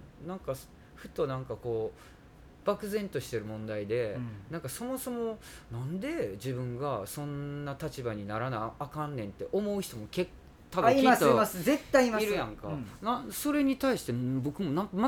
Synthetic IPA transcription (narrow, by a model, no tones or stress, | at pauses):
nãŋkas | ɸɯ̟t̪ːonãŋkako̞ː | b̥akɯ̟zẽ̞nt̪o̞ɕi̥t̪e̞ɾɯ̟mõ̞nd̪aid̪e̞nãŋkaso̞mo̞so̞mo̞ | nãnd̪e̞d͡ʑibɯ̟̃ŋɡasõ̞nːat̪at͡ɕibaɲ̟inaɾanaiakãnːẽ̞nt̪ːe̞ʔo̞mo̞ɯ̟ç̥t̪o̞mo̞kek | t̪ːaaiasiaszet̪ːaimaiɾɯjãŋka̰naso̞ɾe̞ɲ̟it̪aiɕi̥t̪ebo̞kɯ̟mo̞nãŋkama